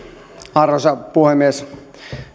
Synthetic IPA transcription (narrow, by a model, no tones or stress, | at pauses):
ɑrosɑpuhemːies